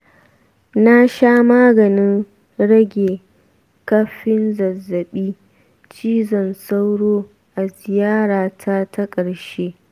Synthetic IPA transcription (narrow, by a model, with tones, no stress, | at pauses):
na˦ʃaː˦maː˦ɡɐ˨nɪ˦ŋ | ɽɐ˦ɡʲeː˨ | kɐ˦ɸɪ˦nzɐ˨zːɐ˨ɓiː˦ | t͡ʃiː˦zɔ˨nsa˦wɽoː˦ | ʔa˨zɪ˨jaː˦ɽaː˨tʰa˦tʰɐ˦kʼɐ˨ɽʃeː˦